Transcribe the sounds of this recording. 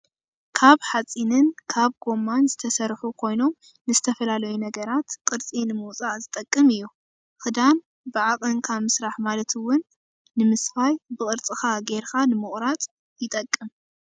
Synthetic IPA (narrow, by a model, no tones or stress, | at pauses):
kʰaβħat͡sʼinɨnkʰaβɡo̞mːanzɨt̪ʰɐsɐɾħukʰo̞jno̞m | nɨzɨt̪ʰɐfɐlalɐjunɐɡɐɾat̪kʼɨɾt͡sʼinɨmuwt͡sʼaʔzɨt̪ʼɐkʼːɨmɨjːu | xɨd̪an | bɨʕaqʼɨŋkʰamɨsɾaħmalɐt̪ʰɨwːʊnː | ɨmɨsfajbɨkʼɨɾt͡sʼɨxaɡeɾkanɨmɨχʼɾat̪ʼ | jɪt̪ʼɐkʼːɨm